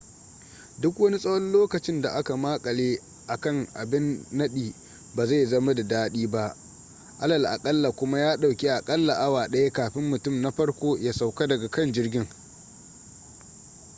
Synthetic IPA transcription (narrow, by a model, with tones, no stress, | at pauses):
dʊ˦kwɐ˦ni˦sʼɐ˦wɔ˦nloː˦kɐ˨t͡ʃɪ˦nda˨ʔa˦ka˨maː˦kʼɐ˨leː˦ | ʔa˨kɐ˦˨ŋʔa̰˨bɪ˦nːɐ˦ɗiː˨ | baː˨za˦˨jzɐ˦ma˦da˨daː˦ɗiː˦ba˦ʔ | ʔa˦lɐ˨lʔa̰˨kʼɐ˦lːa˨kʷʊ˦ma˦jaː˦ɗa˨wkʲe˦ʔa˨kʼɐ˦lːa˨ʔa˦waː˨ɗɐ˦ja˦kaː˨ɸɪ˦mːʊ˨tʊ˦˨mna˦ɸɐ˦rkʷoː˦ja˦sa˨wka˦dɐ˨ɡa˨kɐ˦˨nd͡ʒɪ˦rɡʲɪ˦ŋ